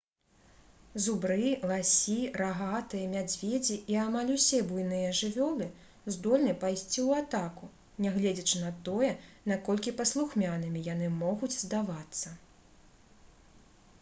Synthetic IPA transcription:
zubɾɨlˠasʲiraɣat̪ɨjɐmʲad͡zʲvʲed͡zʲiʔiamalʲusʲɛbujnɨjɐʐɨvʲɔlˠɨ | zd̪ɔlʲnɨpajsʲt͡sʲiwat̪aku | nʲɛɣlʲɛd͡zʲɐt͡ʂɨnɐt̪ɔjɛnakɔlʲkʲipɐslˠuxmʲanɨmʲijan̪ɨmɔɣud͡zʲzd̪avat̪sːɐ

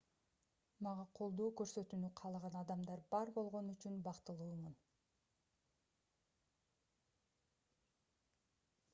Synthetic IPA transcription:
mɑʁɑqʰo̞lˠd̪oːkøɾsø̞t̪ynyqʰɑlˠʁɑnɑd̪ɑmd̪ɑɾbɑɾbo̞lˠʁo̞nyt͡ʃynbɑqt̪ɯlˠuːmun

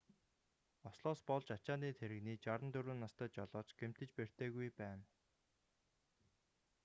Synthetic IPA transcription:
ɔsɮɔːspɔɮt͡ɕat͡ɕaːniːt̪ʰeɾɘ̆ɣniːt͡ɕaɾə̆nt̪ɵɾuːnːast̪ə̆ːt͡ɕɔɮɔːt͡ɕɡ̥em̥t̪ɘ̆t͡ɕper̥t̪eːɣujpæːn

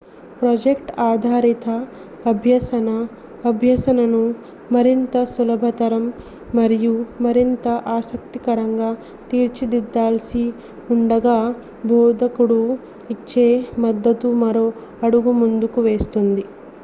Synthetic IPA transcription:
pɾɐd͡ʒekʈaːd̪ʱaːɾit̪ɐː | bʱjɐsɐnɐ | ɐbʱjɐsɐnɐnu | mɐɾint̪ɐsulɐbʱɐt̪ɐɾɐmː | ɐɾijumɐɾint̪ɐʔaːsɐk̚t̪ikɐɾɐŋɡaː | t̪iːɾt͡ʃid̪id̪ːaːlɐsi | uɳɖɐɡaː | bʱɔːd̪ɐkuɽu | it͡ʃːe̞ːmɐd̪ːɐt̪umɐɾoː | ɐɽuɡumund̪ukuʋeːst̪und̪i

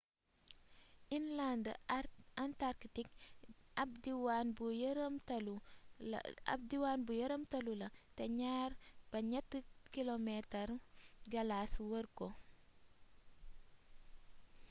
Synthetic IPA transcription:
ʔinland | antaɾktikabdiwanbujɾəmtɐlṵ | diwanbujɐɾəmtɐlulɐtɛɲaːrb̥ɐɲɐtːəkilomɛtɐrɡɐlaswərko

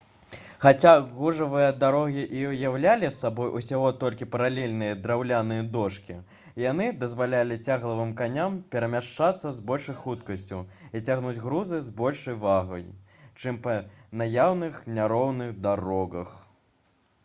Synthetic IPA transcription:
xat͡sʲaɣuʐɐvɨjɐd̪aɾɔɣʲiʔiwjawlʲalʲisːabɔjʔusʲaɣɔt̪ɔlʲkʲipɐɾalʲelʲnɨjɐd̪ɾawlʲanɨjɐd̪ɔʂkʲi | jan̪ɨd̪ɐzvalʲalʲit͡sʲaɣlˠɐvɨmkanʲampʲɛɾɐmʲaʂt͡ʂat̪sːɐzbɔlʲʂɐjxut̪kɐsʲt͡sʲuit͡sʲaɣnud͡zʲɣɾuzɨzbɔlʲʂɐjvaɣɐjt͡ʂɨmpɐnajawnɨxnʲaɾɔwnɨɣd̪aɾɔɣɐ̰x

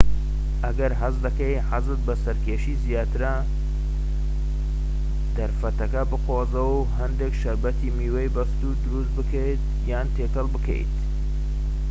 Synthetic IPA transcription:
ʔɐɡɐɾɦɐzd̪ɐkejħazɨt̪̚bɐsɐɾkeːʃiːzijaːt̪ɨɾɐ | d̪̥ɐɾfɐt̪ɐkɐbɨqoːzɐw | ɦɐnd̪ekʃɐɾbɐt̪ʰimiːwejbɐst̪uːɾd̪ʊɾust̪̚bɨkʰejt̪̚ | jaːnt̪ʰeːkɐlˠbɨkʰḛjt̪

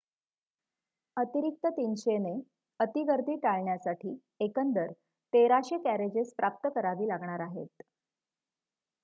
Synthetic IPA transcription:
ət̪iɾik̚t̪ət̪inɕene | ət̪iɡəɾd̪ʱiːʈaɭɳjasaʈʰiː | ekənd̪əɾ | t̪eɾaɕəkæɾed͡ʑespɾʔap̚t̪əkəɾaʋiːlaɡɳaɾaɦḛt̪

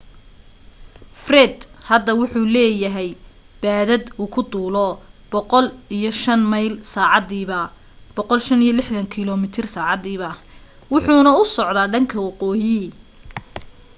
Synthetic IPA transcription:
frɛd̪hɐd̪ɐwʊħuːlɛːjɐɦɛj | b̥aːðɐd̪uːkʰʊd̪uːlɔbɔqɔlijɔʃɐnmɑjlsaːʕɑd̪iːβɐ | b̥ɔqɔlʃɐnijɔlɪħðɐŋkʰɪlɔmɪt̪ʰɪrsaːʕɑd̪iːβɐ | wʊħuːnɐʊsɔʕd̪aːɖɐŋkʰɐwɑqɔːjɪ

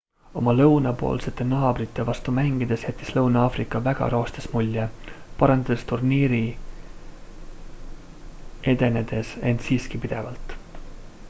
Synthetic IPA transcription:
o̞mɑlɤwnɑpo̞̰ːlse̞t̪ːˑe̞nɑːbrit̪ˑːe̞vɑst̪umæŋɡ̥id̪̥e̞sjæt̪ʲˑːislɤwnɑɑːfrikːˑɑvæɡ̥ɑ̰ɾoːst̪esmulʲːepɑɾɑnd̪̥ɑd̪̥est̪urniːɾi | e̞d̪̥e̞ne̞d̪̥e̞se̞nt̪siːskipid̪̥e̞vɑlt̪ˑ

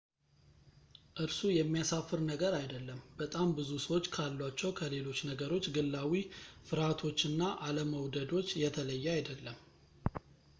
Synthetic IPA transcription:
ʔɨɾsujɛmːijasafːɨɾnəɡəɾajd̪əlːəmbət̪ʼambɨzusəwo̞t͡ʃːkʰalːwat͡ʃːɛwkʰəle̞lo̞t͡ʃːnəɡəɾo̞t͡ʃːɡɨlːawifɨɾat̪ʰo̞t͡ʃːɨnːaʔaləməwd̪əd̪o̞t͡ʃːjɛt̪ʰələjːɛajd̪əlːəm

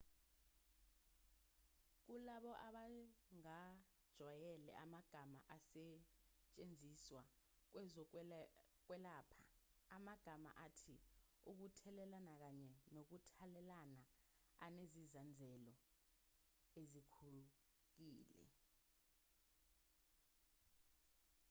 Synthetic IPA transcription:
k̬ulaɓɔʔaɓaŋad̥ʒ̥ʱwajɛlɛ̰ʔamaɡ̥ʱamaʔasɛt͡ʃʼend͡zʱiswak̬wɛzɔ | k̬wɛlaːpʰaːmaɡ̥ʱama̰ʔatʰiuk̬utʰɛlɛlanak̬aɲɛnok̬utʰalɛlanaa̰nezizand͡zʱɛlɔ | ezikʰuluk̬iːlɛ̰

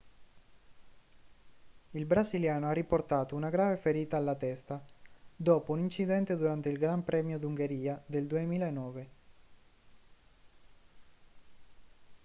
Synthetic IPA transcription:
ilbɾaziljaːnoarːiport̪aːt̪ounaɡɾaːvefeɾiːt̪aːlːat̪ɛst̪ad̪ɔːpounint͡ʃid̪ɛnt̪ed̪uɾant̪eilɡɾampɾɛːmjod̪uŋɡeɾiːad̪eld̪uemiːlaenːɔːve

